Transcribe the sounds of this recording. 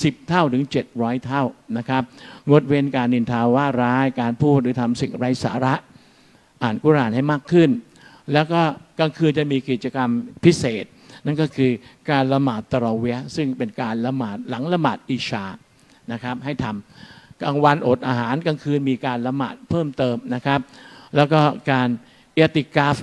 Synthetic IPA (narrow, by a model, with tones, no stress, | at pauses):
si˨˩p̚t̪ʰa˥˩wt̪ʰɯ˩˦ŋt͡ɕe˨˩t̪̚ɾɔː˦˥jt̪ʰa˥˩wna˦˥kʰa˦˥p̚ŋo˨˩t̪̚weː˧nkaː˧nːi˧˩nt̪ʰaː˧waː˥˩ɾaː˦˥jkaː˧npʰuː˥˩t̪̚ɾɯː˩˦t̪ʰa˧msi˨˩ŋɾa˧jsa̰ː˩˦ɾa˦˥ʔ | ʔaː˨˩nku˥˨ɾaː˨˩nha˥˩jmaː˥˩kʰːɯ˥˩n | lɛː˦˥wkɔː˥˩ka˧ŋkʰɯː˧nt͡ɕa˨˩miː˧ki˨˩t̪̚t͡ɕa˧ka˧mpʰi˦˥seː˨˩t̪̚na˥˩nkɔː˥˩kʰɯː˧kaː˧nla˧maː˨˩t̪ːa˧ɾaː˧wi˦˥ɐsɯ˥˩ŋpe˧nkaː˧nla˧maː˨˩t̪̚la˩˦ŋla˧maː˨˩t̪̚ʔiː˧t͡ɕʰaː˧ | na˦˥kʰa˦˥p̚ɦa˥˩jt̪ʰa˧mka˧ŋwa˧nʔoː˨˩t̪ʔaː˧ɦaː˩˦nka˧ŋkʰɯː˧nmiː˧kaː˧nla˧ma̰ː˨˩t̪̚pʰɤː˥˩mt̪ɤː˧mna˦˥kʰa˦˥p̚lɛː˦˥wkɔː˥˩kaː˧n | ʔeː˦˥t̪i˨˩kaː˦˥f